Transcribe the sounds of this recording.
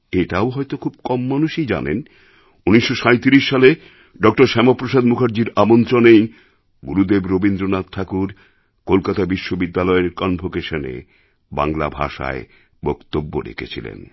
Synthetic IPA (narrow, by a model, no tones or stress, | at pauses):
eʈaoɦɔjt̪okʰub̚kɔmːanuʃid͡ʑa̰nḛn | uniʃːoʃajt̪iɾiʃːale | ɖɔk̚ʈoɾʃɛmopɾoʃad̪mukʰaɾd͡ʑiɾamont̪ɾonej | ɡuɾud̪ebɾobind̪ɾonat̪̚ʈʰakuɾ | kolkat̪abiʃːobid̪ːalɔeɾkɔnbʱokeʃonḛ | ba̰ŋla̰bʱa̰ʃa̰e | bɔkt̪obːo̰ɾḛkʰḛt͡ɕʰḭlḛn